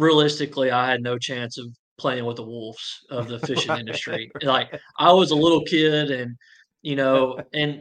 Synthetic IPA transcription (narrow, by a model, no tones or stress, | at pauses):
ɹiəlɪstɨkliaɪɨdⁿnoʊt͡ʃʰæ̃nsʌv̥pʰl̥eɪɪ̃ŋwəðəwʊlˠfsʌvðɨfɪʃɨ̃nɪ̃ndɨstɹ̥ilaɪk̚ʔaɪwʌzəlɪɾl̩ˠkʰɪɾɨ̃n | jɨnoʊɨ̃n